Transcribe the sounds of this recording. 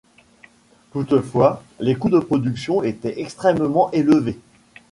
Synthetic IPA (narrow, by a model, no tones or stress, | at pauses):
t̪ut̪əfwa | lekud̪əpχɔd̪yksjɔ̃et̪ɛʔɛkst̪χɛmmɑ̃ʔeləve